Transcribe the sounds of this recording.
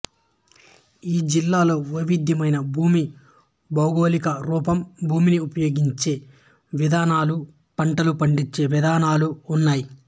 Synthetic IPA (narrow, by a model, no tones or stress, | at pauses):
iːd͡ʒilːaːlo̞ːʋɐʋid̪ʱjɐmɐjnɐbʱuːmi | bɐwɡo̞ːlikɐɾuːpɐmbʱuːminiupɐjo̞ːɡiɲt͡ʃe̞ː | ʋid̪aːnaːlu | pɐɳʈɐlupɐɳɖit͡ʃːe̞ːʋid̪aːnaːluːnːaːji